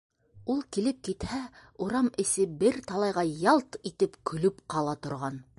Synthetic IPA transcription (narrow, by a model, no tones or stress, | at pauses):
ulˠkilɘp̚kit̪hæuɾɑmɘ̆sɘbɘɾt̪ɑlˠɑjʁɑjɑlˠt̪it̪ɘpkʰɵ̆lɵpqɑlˠɑt̪ŏɾʁɑn